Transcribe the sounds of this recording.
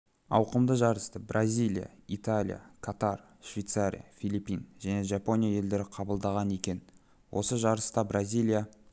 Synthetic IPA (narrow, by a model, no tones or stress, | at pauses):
ɑ̰wqəmd̪əʒɑɾəst̪əbrʔazʲijlʲˠija̰it̪alʲḭja̰kʰat̪ar | ʃvʲejt̪saɾʲḭja̰fʲilˠipːinʒæne̞ʒɑpo̞nʲijaje̞ld̪e̞ɾɪqʰɑbəlˠd̪ɑʁɑne̞kʲe̞n | wʔo̞səʒɑɾəst̪ɑbɾazʲijlʲˠija